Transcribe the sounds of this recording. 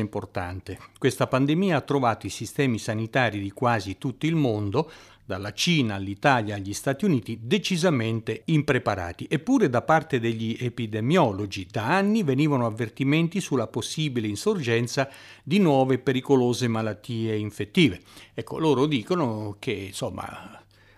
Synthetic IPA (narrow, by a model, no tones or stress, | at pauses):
import̪a̰nt̪ekwest̪apand̪emiːaat̪ːɾovaːt̪oisist̪ɛːmisanit̪aːɾid̪ikwaːzit̪ut̪ːoilmond̪o | d̪alat͡ʃiːnaːlːit̪aːljaːʎːist̪aːt̪iuniːt̪id̪et͡ʃizament̪eimpɾepaɾa̰ːt̪iʔepːuːɾed̪apart̪ed̪eʎːiepid̪emjɔlod͡ʒid̪aanːiveniːvanoavːert̪iment̪isulːaposːiːbileinsord͡ʒɛnt̪sa | d̪inwɔːvepeɾikoloːzemalat̪ːiːeiɱfet̪ːiːveɛkːo̰loːɾod̪iːkonokʰensomːa̰